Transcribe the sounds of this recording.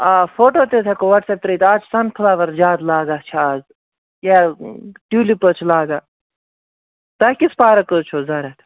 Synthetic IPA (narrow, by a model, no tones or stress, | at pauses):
aːfoːʈoːt̪et̪ʰekoʋɐʈsep̚t̪ɾiːt̪aːt͡ʃʰsɐnkʰɐlaːʋɐɾd͡ʒaːd̪laːɡaːt͡ʃʰaːz | jaːʈuːlipət͡ʃʰlaːɡaː | t̪ɐkispaːɾɐkət͡ʃʰoːzɐɾɐt̪ʰ